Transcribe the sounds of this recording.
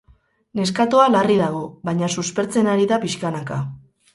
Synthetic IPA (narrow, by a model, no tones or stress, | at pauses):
ne̞skat̪oalariðaɣo̞βaɲasuspe̞ɾt͡se̞naɾiðapiʃkanaka